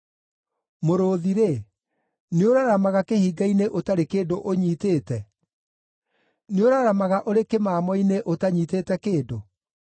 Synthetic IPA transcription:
moɾoːðiɾe | neoɾaɾamaɣakehiːɡaineʔotaɾekeːdoʔoɲiːteːtɛ | neoɾaɾamaɣaʔoɾekemaːmɔineʔotaɲiːteːtɛkeːdo

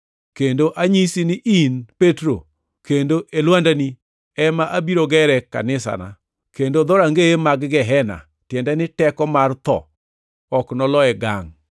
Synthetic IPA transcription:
kendoʔaɲisinɪʔinpetɾo̰ | kendoʔelwandani | ɛmaʔabiɾoɡɛɾɛka̰nɪsa̰na̰ | kendod̪ɔɾaŋɡeemaɡɡɛɦɛna̰ | tjɛndɛnɪtɛkɔmart̪ɔ̰ | ɔknɔlɔɛɡa̰ŋ

